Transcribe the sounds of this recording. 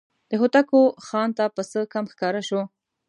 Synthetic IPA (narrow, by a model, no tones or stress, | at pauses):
d̪̥əɦut̪akoxɑnt̪apəsəkamxkɑɾaʃo